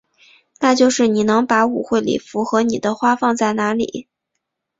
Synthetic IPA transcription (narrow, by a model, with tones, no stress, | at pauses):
na˥˧t͡ɕjo˥˧ʊʂɻ̩˥˩ni˨˩nɤ˧˥ŋpa˧˥u˨˩xwe˥˩ɪlḭ˨˩fu˧˥xɤ˧˥ni˨˩d̪ə˦xwa˥fɑ˥˧ŋt͡sa˥˩ɪna˧˥lḭ˨˩˦